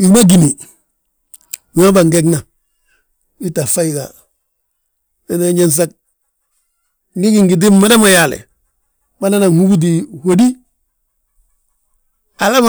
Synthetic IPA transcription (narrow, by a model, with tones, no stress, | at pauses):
i˨˦ma˦ɡi˨ni˨ | wi˨ma˦ba˨ŋɡe˦ɡna˨ | i˦ta˨fa˦i˨ɡa̰˨ | e˦ne˦ɲe˦ns̬a˦k̚ | ni˦ɡi˨ŋɡi˨di˦mma˦da˦ma˨ja˨lḛ˨ | ba˦na˦na˨ŋhu˦ɡu˦d̬i˨wo˨di˦ | a˨la˦m˨